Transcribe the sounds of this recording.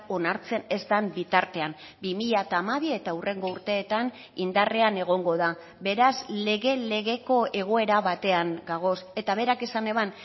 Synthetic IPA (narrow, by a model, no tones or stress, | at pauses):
onaɾt͡se̞ne̞zd̪ambit̪aɾt̪e̞am | bimiʎat̪aːmaβie̞t̪aure̞ŋɡo̞uɾt̪e̞ːt̪an | ind̪are̞ane̞ɣ̞o̞ŋɡo̞ða | be̞ɾazle̞ɣe̞le̞ɣe̞ko̞e̞ɣ̞o̞e̞ɾaβat̪e̞aŋɡaɣ̞o̞se̞t̪aβ̞e̞ɾake̞sane̞βan